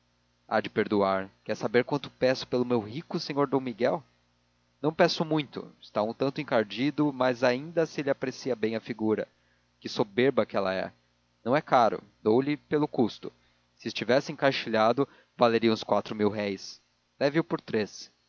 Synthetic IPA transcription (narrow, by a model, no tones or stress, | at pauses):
a̰d͡ʒɪpeɾd̪uaɾkɛɾsabeɾkwɐ̃nt̪ʊ̥pɛsʊ̥pelʊmewɦikʊsẽɲoɾd̪õw̃miɡɛw | nɐ̃w̃pɛsʊmũj̃t̪ʊ̰ɪst̪aũt̪ɐ̃nt̪ʊẽŋkaɾd͡ʒid̪ʊmɐzaĩnd̪ɐsɪelɪapɾesiɐbẽj̃ɐfiɡuɾɐ̰ | kɪsobeɾbɐkɪɛlɐ̰ɛ̰ | nɐ̃w̃ɛkaɾʊ̰d̪owlɪpelʊkust̪ʊ | sɪɪst͡ʃivɛsɪẽŋkaʃiʎad̪ʊ | valeɾiɐũskwat̪ɾʊmiwɦɛjs | lɛvɪʊpoɾt̪ɾes